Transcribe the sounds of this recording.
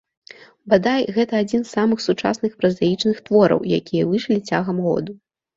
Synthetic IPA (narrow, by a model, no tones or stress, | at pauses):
bad̪ajɣɛt̪ɐːd͡zʲinsːamɨxsut͡ʂa̰snɨxpɾɐzajit͡ʂnɨxt̪vɔɾɐ̰wja̰kʲijɐvɨʂlʲit͡sʲaɣɐmɣɔ̰d̪u